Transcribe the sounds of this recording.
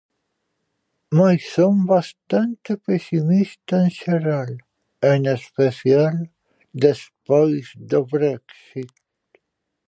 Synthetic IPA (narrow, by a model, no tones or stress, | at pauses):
majsombast̪ant̪epesimist̪anʃeɾal | enespesial | d̪espajsd̪əβɾɛksit̪